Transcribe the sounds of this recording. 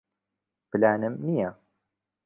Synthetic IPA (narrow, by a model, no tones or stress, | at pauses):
blaːnəmnija